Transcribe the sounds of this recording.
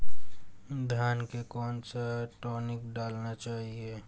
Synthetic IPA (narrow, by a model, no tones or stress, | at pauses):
d̪ʱjaːnkekɔːnsaʈɔːnɪkɖaːlnat͡ʃaːɦieː